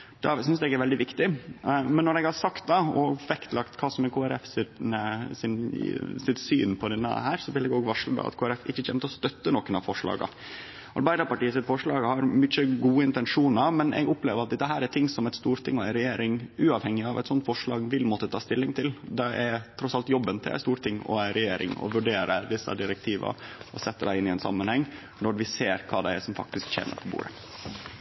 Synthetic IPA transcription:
d̪̥ɛsʏnsd̪ɛɡæɾʋɛld̪ɪʋɪkt̪ɪmɛnːɔɾɛɡhɑɾsɑkt̪̚d̪ɑɔfɛkt̪lɑkt̪kʰɑːsɔmɛkʰoːæɾɛfsɪəsɪnsɪt̪sy̰ːnpʰɔd̪ɛnːə̰hæːɾsɔʋɪlɛɡoːɡʋɑʂləd̪ɑ̰ɑ̰t̪kʰoːæɾɛfɪçːəçʰɛːmət̪əɔst̪œt̪ːənɔkənɑfɔʂɭɑ̰ːɡɑ̰ | ɑ̰ɾbɑɪd̪ɑpɑʈiːəsɪt̪fɔʂɭɑːɡhɑɾmʏçəɡuːəɪnt̪ɛnʂuːnɑmɛnʔɛ̰ɡʊpleːʋəɾɑt̪d̪ɛt̪ːəɦæːɾæt̪ʰɪŋsɔmɛɪt̪st̪uːɾt̪ʰɪŋːɔæɪɾɛjeːɾɪŋʉːɑʋhɛŋɪɑʋæɛt̪sɔnt̪fɔʂɭɑːɡʋɪlmɔt̪ːət̪ʰɑːst̪ɪlːɪŋt̪ʰɪld̪ɛʔɛɾt̪ʰɾɔsɑlt̪jɔbːənt̪ʰɪ̰æ̰st̪uːɾt̪ʰɪŋːɔ̰æɪɾɛjeːɾɪ̰ŋɔ̰ʋʉɖeːɾəd̪ɪsːɑ̰d̪ɪɾɛk̚t̪ʰiːʋɑ̰ɔsɛt̪ːəɖæɪɪnːɪɛnsɑ̰mːənhɛŋː | nɔɾʋɪseːɾkʰɑːd̪ɛæʂɔmfɑ̰k̚t̪ɪskçḛːmʔə̰ɾpʰɔbṵːɾə̰

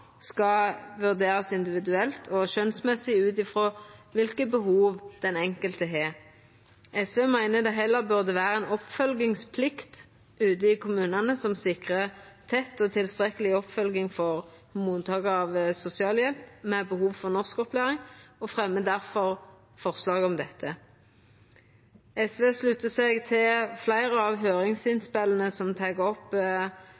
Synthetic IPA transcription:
skɑʋʉʁd̪eːʁɑsɪnd̪ɪʋɪd̪ʉɛlt̪ʰɔʃœnsmɛsɪʉːt̪ɪfʁoːʋɪlkəbəhuːʋd̪̥ɛnɛŋkəlt̪əɦɛʁ | ʔɛsʋeːmæɪnəd̪ɛɦɛlːəʁbʉʁd̪əʋæːɾəɛnɔpfœlɡɪŋspʰlɪkt̪ | ʉːt̪əɪkʰʊmʉːnɑnəsɔmsɪkʁət̪ʰɛt̪ːɔt̪ʰɪlst̪ʁɛkəlɪɔpfœlɡɪŋfɔʁ | hʉmuːnət̪ʰɑːɡəɑʋsʊsɪɑːljɛlpmɛbəhuːʋfɔʁnɔskɔplæːʁɪŋɔfʁɛmːəd̪æʁfɔʁ | fɔʁslɑːɡɔmd̪ɛt̪ʰːə | ɛsʋeːslʉt̪əsɛɡt̪ʰɪlflæɪʁəɑːʋɦøːʁɪŋsɪnspɛlənəsɔmt̪ʰɑɡəɔpː

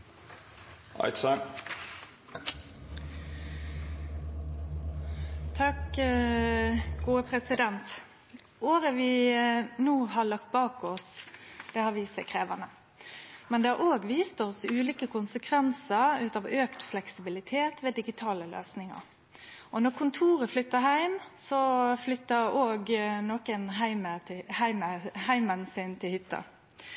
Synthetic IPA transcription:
ʔɑ̰ɪt̪sɑ | t̪ʰɑk | ɡuːəpʰɾɛsɪd̪ɛnt̪ | oːɾəʋɪnuːɦɑɭɑk̚t̪̚bɑːkɔsd̪̥ɛhɑːʋɪsɛɪkʰɾeːʋɑnə | mɛnd̪ɛæɾʔoːɡʋiːst̪ɔsʉːliːkəkʊnsəkʰʋɛnsəɾʉːt̪ɑʋøːkt̪flɛksɪbɪlɪt̪ʰeːt̪ʰʋeːd̪ɪɡɪt̪ʰɑːləlø̰ːsnɪŋɑ̰ɾ | ɔnɔkʰʊnt̪ʰuːɾəflʏt̪ːəhæɪmsɔflʏt̪ːəɾoːɡnɔːkənɦæɪməhæɪməhæɪmənsɪnt̪ʰɪlhʏt̪ːɑ̰

